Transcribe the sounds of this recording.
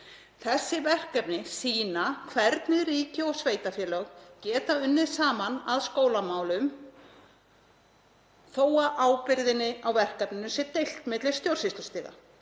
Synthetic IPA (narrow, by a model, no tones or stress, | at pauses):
θɛsːɪvɛr̥kɛpnɪsiːnakʰvɛɾt̪nɪɾiːcɪɔɣsveːjt̪afjɛːlœɣcɛːt̪aʏnːɪðsaːmanaðskoːwlamaːwlʏm | θoːwaʔaːwpɪɾðɪnːɪawvɛr̥kɛpnɪnʏsɛɾt̪ejl̥t̪mɪt̪lɪst̪jowɾ̥sɪst̪ʏst̪iːɣa̰